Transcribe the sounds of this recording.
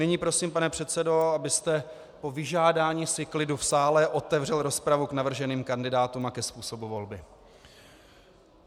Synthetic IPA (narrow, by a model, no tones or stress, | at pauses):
nɪɲiːpɾo̞siːmpanɛpr̥ɛt̪sɛdo̞abɪst̪ɛ | po̞vɪʒaːdaːɲiːsɪklɪdufsaːlɛʔo̞t̪ɛvrɛlɾo̞spɾavuknavr̩ʒɛniːmkandɪdaːt̪umakɛspuːso̞buvo̞lbɪ